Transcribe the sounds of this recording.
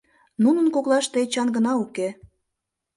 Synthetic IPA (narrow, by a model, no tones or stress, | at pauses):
nunə̆nkoklɑʃt̪eet͡ɕɑnɡə̆nɑuke